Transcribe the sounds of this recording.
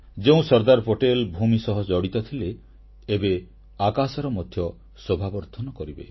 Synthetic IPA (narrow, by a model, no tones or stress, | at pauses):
d͡ʒeũsɔɾd̪aɾpoʈelbʱumisɔɦɔd͡ʒɔɽit̪ɔt̪ʰileː | be | akasɔɾɔmɔd̪ʱjɔ | sobʱabɔɾt̪ʰɔnɔkɔɾibḛ